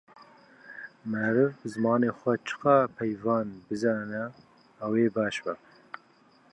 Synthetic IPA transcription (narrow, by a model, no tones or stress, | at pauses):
mɛɾɨvbɨzɨmɑːneːxʷɛt͡ʃʰɨ̥qɑpʰɛjvɑːnbɨzɑːnɛː | weːbɑːʃbɛ